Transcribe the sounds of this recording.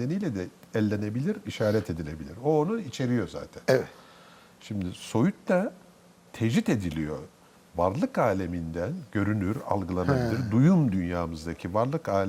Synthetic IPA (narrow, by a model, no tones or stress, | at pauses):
ed̪enijlʲɛd̪ɛɛlʲːene̞bilʲiɾiʃaːɾɛt̪ʰe̞d̪ilʲe̞bilʲiɾo̞ːnuit͡ʃʰe̞ɾijo̞za̰ːt̪ʰænɛ | ʃimd̪iso̞jut̪t̪a | t̪ʰeʒit̪e̞d̪ilʲḭjo̞̰ | vaɾlˠɯkaːlʲemind̪ænɟø̞ɾynyɾa̰lˠɡɯlˠanabillʲiɾd̪ujumd̪ynjaːmɯzd̪acʰivaɾlˠɯkaːlʲ